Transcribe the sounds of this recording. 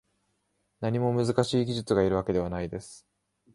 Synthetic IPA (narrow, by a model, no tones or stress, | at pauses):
naɲ̟imo̞mɯ̟zɨkaɕiːɡʲiʑɨt͡sɨɡaiɾɯ̟βake̞d̪e̞anaid̪e̞sɨ̥